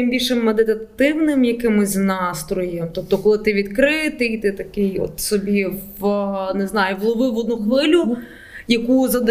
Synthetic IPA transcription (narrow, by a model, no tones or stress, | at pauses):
ɪmbʲilʲʃɛmːed̪ɪt̪ɐt̪ɪwnɪmjɐkɪmɪzʲnɑst̪ɾɔjɛmt̪ɔp̚t̪ɔkɔlˠɪt̪ɪʋʲid̪kɾɪt̪ɪjt̪ɪt̪ɐkɪjɔ̰t̪sɔbʲiʋneznɑjʊʋlˠɔʋɪʋɔd̪̚nuxʋɪlʲʊ | jɐkuzɐd̪